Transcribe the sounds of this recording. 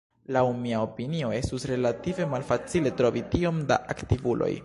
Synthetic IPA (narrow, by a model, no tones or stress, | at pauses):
lawmiaopinio̞e̞stusɾe̞lative̞malfat͡sile̞tɾo̞vitio̞mda̰ʔaktivulo̞̰j